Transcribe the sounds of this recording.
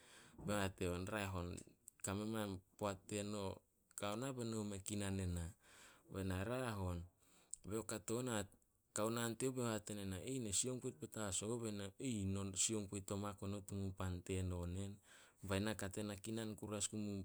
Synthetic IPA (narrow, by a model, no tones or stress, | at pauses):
behateonɾaeɦo̞nkamemanpoatːe̞no̞ | kaonabe̞nomekinane̞nabenaɾaɦo̞n | beokato̞na | kaonanteobehatenenaejnesio̞ŋpojt̚petasoβenaejnosio̞ŋpojto̞makonotumupante̞no̞ne̞n | bajnakate̞nakinankuɾaskumu